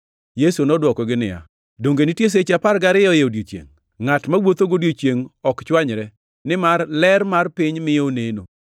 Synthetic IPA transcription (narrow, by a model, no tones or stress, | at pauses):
jesunɔdwɔkɔɡɪnɪ̰ja̰ | doŋɡenɪtjes̬et͡ʃapaɾɡaɾɪjɔjeodjot͡ʃjḛŋː | atmawot̪oɡodjot͡ʃjeŋɔkt͡ʃwaɲɾɛ | nɪmarlɛɾmarpɪɲmɪjoneno̰